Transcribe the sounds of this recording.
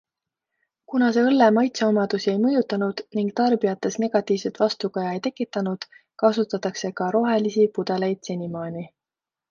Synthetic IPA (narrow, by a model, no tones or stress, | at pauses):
kunɑse̞ɤlːemɑjt̪seomɑd̪̥usie̞jmɤjut̪ːˑɑnud̪̥niŋɡ̥t̪ɑrbijɑt̪ːˑe̞sne̞ɡ̥ɑt̪ːˑiːvset̪vɑst̪ukɑjɑejt̪e̞kːˑit̪ːˑɑnud̪̥kɑsut̪ːˑɑt̪ːˑɑkse̞kɑɾo̞ɦe̞lisipud̪̥e̞lejd̪̥senimɑːni